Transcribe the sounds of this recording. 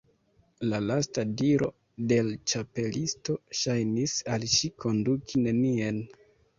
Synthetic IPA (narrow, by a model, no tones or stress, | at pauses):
lalastadiɾo̞̰ | de̞lt͡ʃape̞listo̞ʃajnisalʃikʰo̞ndukʰine̞nien